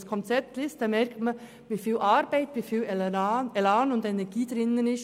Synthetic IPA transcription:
skʰɔnt͡sɛp̚tlɪstd̥ɑːmɛɾktmə | ʋiːfiːlʔɑɾbæɪtʋiːfiːlɛlanʊndɛnɛɡ̥iːdɾɪnːənɪs

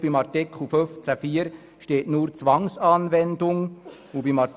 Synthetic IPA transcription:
b̥imɑrtɪkχl̩føft͡sæfiːəɾ | ʃteːtnuːɾt͡sʋɑŋsɑːnvɛndʊŋ | ubimɑt

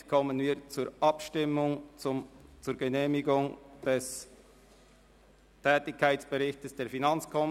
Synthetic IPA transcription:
kʰɔmənviːt͡suːɾʔɑpʃtɪmːʊŋ | t͡suːɾɡ̥əneːmɪɡʊŋd̥ɛs | tʰɛːtɪçkʰːaɪt͡sb̥əɾɪçtəsd̥eːɐɾfinɑnt͡skʰɔm

